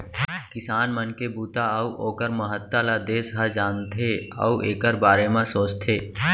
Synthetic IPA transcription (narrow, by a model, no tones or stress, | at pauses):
kɪsaːnmənkebuːt̪aəuʔoːkəɾməɦət̪ːalad̪eːsɦəd͡ʒaːnt̪ʰeə̰uʔeːkəɾbaːɾemãsoːt͡ʃt̪ʰeː